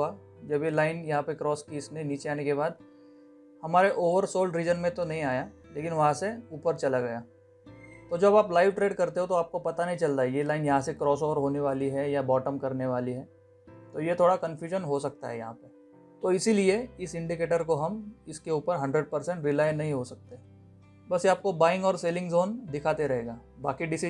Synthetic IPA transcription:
a | d͡ʒɐbjelaːɪnjɐɦãpekɾɔːskiɪsneĩniːt͡ʃeaːnekebaːd̪̚ | hɐmaːɾeʔoːʋəɾsoːlɖɾiːd͡ʒənmẽt̪onɐɦĩaːja | leːkɪnʋɐɦãseuːpəɾt͡ʃɐlaɡɐjaː | t̪od͡ʒɐbaːplaːɪʋʈɾeːɖkɐɾt̪eɦõt̪oaːp̚kopɐt̪anɐɦĩt͡ʃɐlt̪aɛjelaːɪnjɐɦãsekɾɔːsɔːʋəɾɦoːneʋaːliɦɛjabɔːʈəmkɐɾneʋaːliɦɛː | t̪ojet̪ʰoːɽakɐ̃nfjuːʒənɦosɐk̚t̪a̰ɦɛ̰jɐɦã̰pɐ | t̪oɪsilieɪsɪ̃ɳɖikeːʈəɾkoɦɐmɪskeuːpəɾɦɐ̃ɳɖɾeɖ̚pɐɾsɛ̃ɳʈɾɪlaːɪnɐɦĩɦosɐk̚t̪eɦɛ̃ː | bɐsjeaːp̚kobaːɪ̃ŋɡɔːɾseːlɪ̃ŋɡzoːnd̪ɪkʰaːt̪eɾɐɦeːɡaːbaːkiɖɪsi

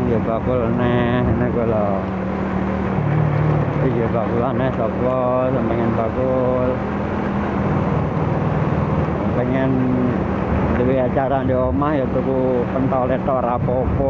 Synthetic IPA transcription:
job̥akʊlnɛhnɛhkulɔ | ijobakulanɛhsɔpɔ | səmpɛŋɛnbakʊl | səmpɛŋɛn | diwiat͡ʃaɾandiomahjot̪uku | pənt̪ɔlet̪ɔʔrapopɔ

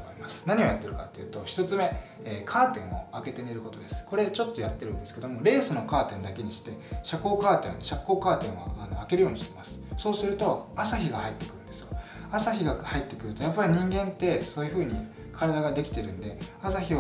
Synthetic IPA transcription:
ɾʲimasɨ̥naɲ̟io̞jat̪ːe̞ɾɯ̟ka̰t̪ːe̞jɯ̟ːt̪o̞çi̥t̪o̞t͡sɨme̞ː | kʰaːt̪ẽ̞ɰ̃o̞̰ake̞t̪eneɾɯ̟ko̞t̪o̞d̪e̞sɨ̥ko̞ɾe̞t͡ɕo̞t̪ːo̞jat̪ːe̞ɾɯ̟̃nd̪e̞sɨ̥ke̞d̪o̞mo̞ɾe̞ːsɨno̞kaːt̪ẽ̞nd̪ake̞ɲ̟iɕi̥t̪e̞ɕako̞ːkaːt̪ẽnɕakːo̞ːkaːt̪ẽɰ̃βa̰ːno̞ake̞ɾɯjo̞ːɲiɕi̥t̪emasɨ̥so̞ːsɨɾɯ̟t̪o̞asaçiɡahait̪ːe̞kɯɾɯ̟̃nd̪esɨ̥jo | asaçiɡahait̪ːe̞kɯ̟ɾɯ̟t̪o̞japːaɾʲiɲ̟ĩŋɡẽ̞nt̪ːe̞so̞ːjɯ̟ɸɯ̟ːɲ̟i | kʰaɾad̪aɡad̪e̞kʲi̥t̪e̞ɾɯ̟̃nd̪e̞asaçi

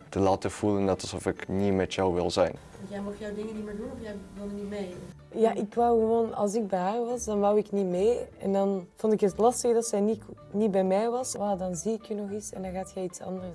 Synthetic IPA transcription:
təlaːtəv̥uləndɑtɑlˠzɔfɪknimɛtjɔwʋɪ̰lˠzɛ̰jn | ɑntjɛjmɔxjɔwdɪŋənitmeːɹdunɔfjɛjbolˠənitmeː | jaːʔɪkʋawɣəʋoːnɑ̰lˠsɪɡ̚bɛjɦaːrʋɑsdɑnʋawɪknimeːɛ̰ndɑnv̥ontɪkətlɑstəɣdɑtsɛjni | nibɛjmɛjʋɑsʋaːdɑnziɪkjynɔxisɛ̰ndɑnɣaːtjɛjitsɑ̰ndərs

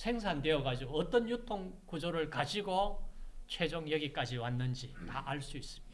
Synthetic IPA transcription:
sʰe̞ŋsʰande̞ʌɡad͡ʑiɡoʌt͈ʌnjutʰoŋ | kud͡ʑoɾɯɭkad͡ʑiɡot͡ɕʰwe̞d͡ʑoŋjʌɡik͈ad͡ʑiwanːɯnd͡ʑitaʔaɭs͈uis͈ɯ̥mid

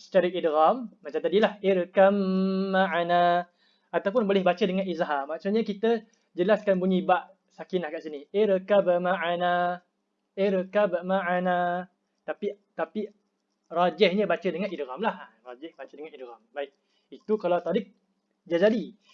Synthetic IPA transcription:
sə̥t͡ʃaɾəʔidɣamːat͡ʃamt̪adilaheɾəkamːaʔana | at̪awp̬ʊnbolɛhbat͡ʃədəŋãnizaɦamːaksuɲakit̪ə | d͡ʒəlaskanbuɲibaʔ | sakinlahkaʔsinieɾəkabəmaʔana | eɾəkabəʔmaʔana | t̪apit̪api | rad͡ʒɛhɲəbat͡ʃədəŋanidɣamlahrad͡ʒɛhbat͡ʃədəŋanidɣambaɪk̚ | it̪ukalawt̪aɾɪk̚ | d͡ʒazadi

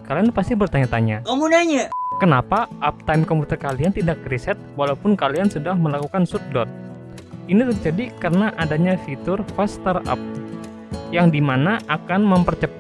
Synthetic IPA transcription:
kalianpast̪ibərt̪aɲat̪aɲakəmunaɲakənapaʔap̚t̪ajmkɔmput̪ərkaliant̪idakɾisɛt̪̚walaupʊnkaliansudahməlakukansut̪̚dɔt̪̚ | init̪ərd͡ʒadikərənaʔadaɲafit̪ʊrfast̪əra̰p̚ | jaŋdimanaʔakanməmpərt͡ʃəp

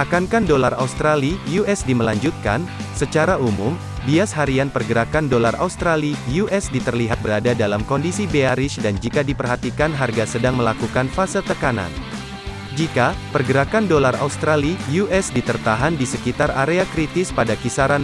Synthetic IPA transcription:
ʔakankandolara̰ust̪ɾalijuʔɛsdiməlaɲd͡ʒut̪̚ka̰nsət͡ʃaɾaumʊm | biashaɾianpərɡəɾakandolarʔa̰ust̪ɾalijuʔɛsdit̪ərliɦat̪̚bəɾadadalamkɔndisibeaɾɪsdand͡ʒikadipərɦat̪ikanɦarɡasədaŋməlakukanfasət̪əkana̰n | d͡ʒikapərɡəɾakandolara̰ust̪ɾalijuʔɛsdit̪ərt̪aɦandisəkit̪araɾeakɾit̪ɪspadakisaɾan

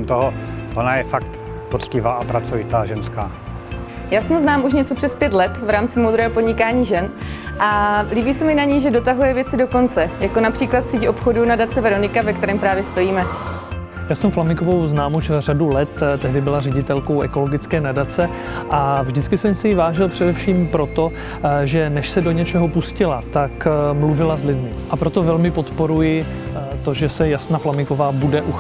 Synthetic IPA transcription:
mt̪oɦoonajɛfakt̪ | pot̪t͡scɪvaːapɾat͡sovɪt̪aːʒɛnskaː | jaːsnmoznaːmuʃ̬ɲɛt͡so̞pr̥ɛspjɛt̪lɛt̪vɾaːmt͡sɪmowd̪ɾɛːɦopo̞dɲɪkaːɲiːʒɛnʔaliːbiːsɛmɪnaɲiʒɛdo̞t̪aɦujɛvjɛt͡sɪdo̞ko̞nt͡sɛjakonapr̥iːklat̪siːcʔo̞pxo̞dunadat͡sɛvɛɾo̞nɪkavɛkt̪ɛɾɛːmpɾaːvjɛst̪o̞jiːmɛ | jaːst̪owflamɪŋko̞vo̞wznaːmut͡ʃɛr̝adulɛt̪t̪ːɛɦdɪbɪlarɛɟɪt̪ɛlkowʔɛko̞lo̞ɡɪt͡skɛːnadat͡sɛ | ʔavʒdɪt͡skɪsɛmsɪjɪvaːʒɪlpr̝̥ɛdɛfʃiːmpɾo̞t̪o̞ | ʒɛnɛʃsɛdoɲɛt͡ʃɛɦopuscɪlat̪akmluvɪlazlɪdmɪʔapɾo̞t̪ovɛlmɪpo̞t̪po̞ɾujɪ | t̪o̞ʒɛsɛjasnaːflamɪkovaːbudɛʔu

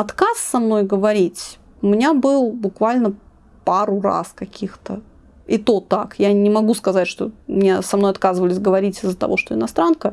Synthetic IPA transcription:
ɐt̪kasːɐmno̞jɡəvɐɾʲitʲ | ʊmʲɪnʲabɨlˠbʊkvalʲnə | paɾʊra̰skɐkʲʰixt̪ə | ɪt̪ot̪akjanʲɪmɐɡuskɐzatʲʂt̪o̞mnʲesɐmnojɐt̪kazɨvəlʲɪsʲɡəvɐɾʲitʲɪzːət̪ɐ̰vo̞ʂt̪oɪnɐst̪ɾankə

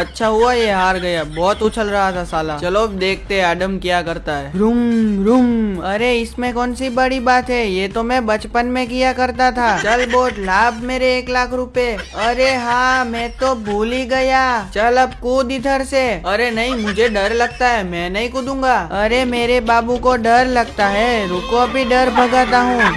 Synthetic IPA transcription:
ɐtːʃʰaɦʊajeɦaːɾɡɐjabɔːt̪ut͡ʃʰəlɾɐɦat̪ʰasaːlat͡ʃɐlob̚d̪eːkʰt̪eɦɛ̃aːɖəmkijakɐɾt̪aɦɛːɾʊmɾʊmɐɾeɪsmẽkɔːnsibɐɽibaːt̪ɦɛjeːt̪omɛ̃bɐt͡ʃpənmẽk̬ijakɐɾt̪at̪ʰat͡ʃɐlboːt̪laːbʱmeːɾeːklaːkʰɾʊpeɐɾeɦãːmɛ̃ːt̪obʱoːliɡɐjaːt͡ʃɐlɐb̚kud̪id̪ʱəɾseɐɾenɐɦĩmʊd͡ʒʱeɖɐɾlɐɡ̚t̪aɦɛmɛ̃nɐɦĩkʊd̪ũːŋɡaːɐɾemeːɾebaːbũkoɖɐɾlɐɡt̪aɦɛɾukoɐbʱiɖɐɾbʱɐɡaːt̪aɦũː

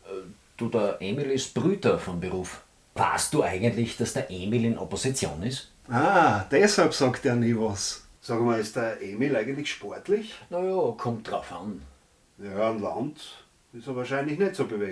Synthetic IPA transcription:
d̥uːdɐɐʔeːmilɪst̚b̥ʁyːdɐfɔnbəʁuːf | va̰ɐst̚d̥uːæɪɡəntlɪçd̥asd̥ɐɐʔeːmilɪnoposit͡sjõ̰ːnɪs | aːd̥ɛshalpsɑːkteːɐniːvɑs | sɑːɡəmaɪst̚d̥ɐʔeːmilæɪɡəntlɪçʃpɔɐtlɪçnajɑːkʰɔmt̚d̥ʁaʊfan | jɑnla̰nt | ɪsəvaːɐʃæɪ̃nlɪçnɛtsoːbəve

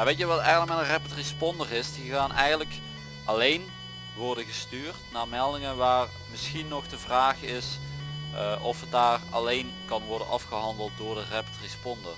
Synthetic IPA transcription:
jaːʋejtjɛʋɑtɛjɣənləkmɛnərɛpətrispɔndərɪsdiɣaːnʔɛjɣəntlək | ʔɑlejn | ʋɔrdəɣəstyːrtnaːɹmɛlˠdɪŋənʋaːr | mɪsxinːɔχdəvraːχɪs | ʔɔfɦət̚daːrɑ̰lejn | kɑnʋɔɹdənɑfχəɦɑndəlˠt̚dʊːɹdərɛpətrispɔndə̰r

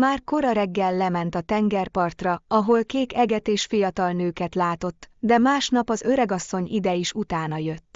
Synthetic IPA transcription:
maːrko̞ɾɒɾɛɡːɛlːɛmɛnt̪ɒt̪ɛŋɡɛrpɒrt̪rɒɒɦo̞lkeːkɛɡɛt̪eːʃfijɒt̪ɒlnøːkɛt̪laːt̪o̞t̪ːd̪ɛmaːʃnɒpɒzø̞ɾɛɡɒsːo̞ɲḭd̪ɛiʃut̪aːnɒjø̞t̪ː

